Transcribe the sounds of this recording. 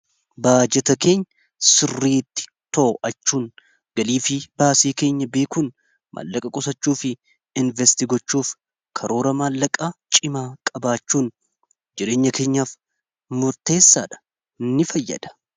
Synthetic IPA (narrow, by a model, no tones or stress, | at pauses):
baːd͡ʒɛt̪ɐke̞ːɲːɐ | sɪrːiːt̪ːɪ̥ | t̪oʔʔɐt͡ʃːuːn | ɡ̥ɐliːfɪbaːsiːke̞ːɲːɐbe̞ːkuːn | mʔa̰ːlːɐkʼɐkʼʊsɐt͡ʃːuːfɪ | ɪnvɛst̪ɪɡɔt͡ʃːuːf | kʰɐɾo̞ːɾɐmaːlːɐkʼaːt͡ʃʼɪmaːkʼɐbaːt͡ʃːuːn | d͡ʒɪɾe̞ːɲːɐke̞ːɲːaːf | mʊɾt̪e̞ːsːaːᶑɐ̥ | nːɪfɐjːɐ̰d̪̥ɐ̥